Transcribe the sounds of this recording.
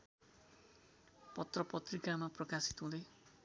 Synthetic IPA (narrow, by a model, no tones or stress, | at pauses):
pʌt̪rʌpʌt̪rikamaprʌkasi̥t̪ɦũd̪ʌj